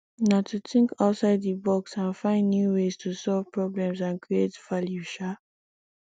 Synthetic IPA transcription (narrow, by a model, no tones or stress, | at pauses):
natʰutɪ̃ŋkaʊtsaɪdðibɔksãnfãɪ̃ndːjuwez̥tʰusɔlv̥pʰɹɔblɛ̃msãnkʰɹietvaljuʃa